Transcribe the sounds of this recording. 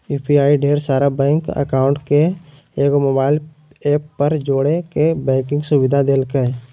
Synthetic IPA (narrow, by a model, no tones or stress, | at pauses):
uːpʰiaːiɖeːɾsaːɾabɛ̃ːŋkə̰kaːʊ̃ɳʈke | eːɡomoːbaːɪl | eːpːɐɾd͡ʒoːɽekebɛ̃ːkɪ̃ŋɡsʊbɪd̪ʱad̪eːlke